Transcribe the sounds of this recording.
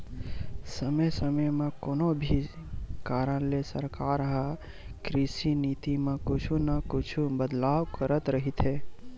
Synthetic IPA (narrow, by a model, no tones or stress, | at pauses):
səməjsəməjmẽkonobʱi | kaɾənlesəɾkaɾɦa | kɾisinit̪imẽkʊt͡ʃʰunəkʊt͡ʃʰubəd̪lawkəɾət̪ɾəɦit̪ʰɦe